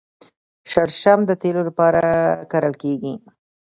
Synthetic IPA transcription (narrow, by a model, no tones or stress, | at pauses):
ʃaɽʃamd̪ət̪elolapɑɾaakaɾəlkeɡi